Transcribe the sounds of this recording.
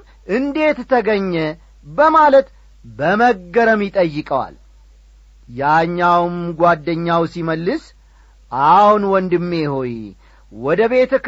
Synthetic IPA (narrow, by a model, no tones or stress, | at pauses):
ʔɨnd̪e̞t̪t̪ʰːəɡəɲːɛ | bəmalət̪ | bəməɡɡəɾəmjɪt̪ʼəjːɨkʼəwa̰l | jaɲːawmɡʷad̪ːəɲːawsiməlːɨs | ʔahunwɔnd̪ɨmːeho̞j | wɔd̪əβe̞t̪ʰək